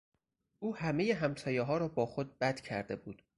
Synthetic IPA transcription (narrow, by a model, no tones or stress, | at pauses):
ʔuːhæme̞jeɦæmsɒːjeɦɒːɾɒːbɒːxod̪̚bæd̪̥cʰæɾd̪e̞buːd̪̥